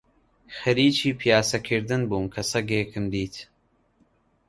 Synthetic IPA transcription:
xɐɾiːt͡ʃiːpʰijaːsɐkʰɨɾd̪ɨnbuːmkʰɐsɐɡeːkʰɨmd̪iːt̪

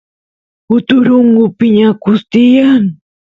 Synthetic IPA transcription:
ʊt̪ʊɾʊŋɢʊpɪɲakʊst̪ɪjaŋ

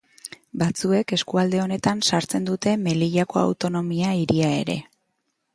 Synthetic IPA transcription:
bat͡sue̞ke̞skuald̪e̞o̞ne̞t̪ansaɾt͡se̞nd̪ut̪e̞me̞liʎako̞a̰wt̪o̞no̞miaiɾiae̞̰ɾe̞̰

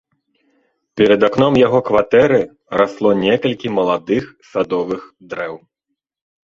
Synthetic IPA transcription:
pʲɛɾɐd̪aknɔmjaɣɔkvat̪ɛɾɨ | ɾaslˠɔnʲɛkɐlʲkʲimɐlˠad̪ɨxsad̪ɔvɨxd̪ɾɛw

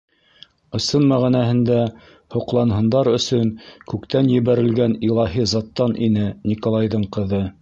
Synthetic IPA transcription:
ɤ̆sɤnmæʁænæhɘ̆nd̪æ | hŏqlˠɑnɦɤ̆nd̪ɑɾɵ̆sɵŋkʉkt̪ænjɘ̆βæɾɘ̆lɡænilˠɑɦizɑt̪ːɑnʔinɘnʲikolˠɑjðɤɴqɤ̆ðɤ

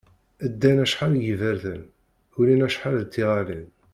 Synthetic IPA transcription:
əd̪ːænæʃħaljəvəɾθən | ʊlinæʃħalðt̪ːiʁalin

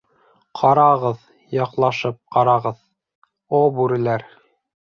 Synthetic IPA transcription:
qʰɑɾɑʁɤð | jɑqlˠɑʃɤp̚qɑɾɑʁɤð | obʉɾɘ̆læɾ

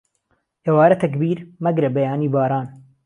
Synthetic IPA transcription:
ʔewaːɾɐt̪ʰɐkbiːɾmɐɡɾɐbɐjaːniːbaːɾaːn

